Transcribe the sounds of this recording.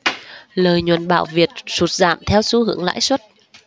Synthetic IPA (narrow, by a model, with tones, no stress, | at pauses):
ləː˨˩jɲwə˨˩nɓa̰ː˧˨wvi˨˩ət̚su˨˩t̚za̰ː˧˨mt̪ʰɛ˧wsu˧hɨ̰˧˩əŋla̰ː˧˥jswə˦˥t̚